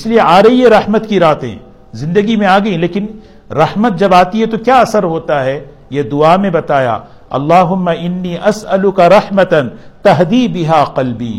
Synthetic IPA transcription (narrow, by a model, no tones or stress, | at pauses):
ɪslieʔaːɾɐiɦeɾɐhmət̪kiɾaːt̪ḛ̃ː | zɪ̃nd̪əɡimẽaːɡɐĩleːkɪn | ɾɐhmət̪̚d͡ʒɐbaːt̪iɦɛt̪okjaːɐsəɾɦoːt̪aɦɛː | jed̪ʊaːmẽbɐt̪aːja̰ː | ɐ̰lːaːɦʊmːɐʔɪnːiːʔɐsɐlʊkɐɾɐhmɐt̪ɐnt̪ɐɦd̪iːbɪɦaːqɐlbḭː